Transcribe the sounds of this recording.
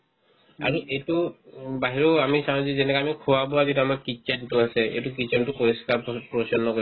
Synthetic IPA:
a̰ɹuejtubaɦiɹɔamisaw̃zɛzɛnɛkaamikʰuwabɔaɡituamaɹkit͡ʃɛntʊasɛḛjtukit͡ʃɛntupoɹiskaɹppɹɔsɔnːɔko

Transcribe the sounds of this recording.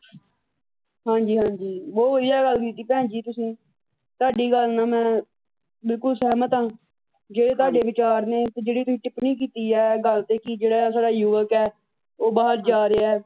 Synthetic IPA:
ɦãːɲd͡ʒiːɦãːɲd͡ʒiːboːʋəd̪ɪjaːɡəlkiːt̪iːpɛ̃ːd͡ʒiːt̪ʊsĩː | t̪ʊaːɖiːɡəlnãːmɛ̃ː | bɪlkʊlsɛːmət̪ãː | d͡ʒeːɽeːt̪ʊaːɖeːʋɪt͡ʃaːɾnẽːt̪ed͡ʒeːɽiːt̪ʊsĩːʈɪpniːk̬iːt̪iːɛːɡəlt̪eːkɪd͡ʒeːɽaːsaːɖaːjʊʋəkɛː | oːbaːɦəɾd͡ʒaːɾeːɛː

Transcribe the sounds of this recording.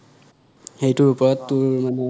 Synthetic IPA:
xejtʊɹupɔɹɔtːʊɹmanɛ

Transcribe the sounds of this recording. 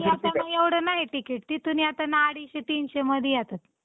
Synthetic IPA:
iat̪anaeʋɽənaɦiʈikeʈ̚t̪it̪uniat̪anaaɽiɕet̪iːnɕeməd̪ʱjjat̪at̪̚

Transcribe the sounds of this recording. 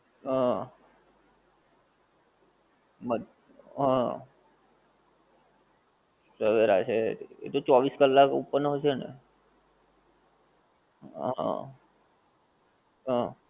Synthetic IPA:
ɦã | mə | ɦã | səʋeɾa̰t͡ʃʰeḛt̪ot͡ʃɔʋiskəlːakupəɾnɦoʃenḛ | ã̰ | ɦã

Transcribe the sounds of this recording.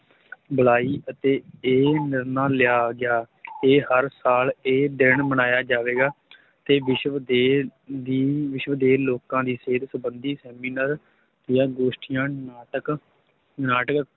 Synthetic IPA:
bəɭaːiːʔət̪eːeːnɪɾnaːlɪjaːɡɪjaː | eːhəɾsaːleːd̪ɪɳməñaːjaːd͡ʒaːʋeːɡaː | t̪eːʋɪʃʋd̪eːd̪iːʋɪʃʋd̪eːloːkãːd̪iːseːd̪səbənd̪iːsɛːmiːnəɾ | d̪ɪjãːɡoːʃʈɪjãːʈək | naːʈək

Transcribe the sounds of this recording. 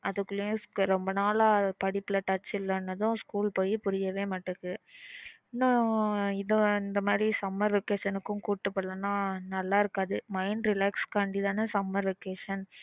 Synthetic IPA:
ɐðɯkːɯlɯjẽɾɔmbɐnaːlaːpɐɽɪpːɪlɐʈɐt͡ʃːɪlːɐnːɐðʊ̃skuːlpoːjipʊɾɪjɐʋeːmaːʈːɯkːɯ | naɪðɐɪnd̪ɐmaːd̪ɾisɐmːɐɾʋɛkeːʂɐnɯkːʊ̃kuːʈːɯpːɐɭːɐnaːnɐlːaːɪɾɯkːaːðɯmɐɪnɾɪlaːkskaːɳɖiðaːnɯsɐmːɐɾʋɛkeːʂɐn

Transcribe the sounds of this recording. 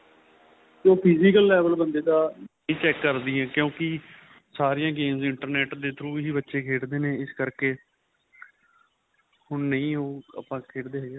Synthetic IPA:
d͡ʒoːpʰɪziːkəlːɛːʋəlbənd̪eːt̪ãː | ĩːt͡ʃɛːkːəɾd̪iːɛ̃ːkjõːkɪ | saːɾijãːɡeːmzɪɳʈəɾnɛːʈd̪eːt̪ʰɾuːɦiːbətːʃeːkʰeːɽd̪eːneːɪskəɾkeː | hʊɳnəĩːoːə̰pãːkʰeːɽd̪eːɦɛːɡeː

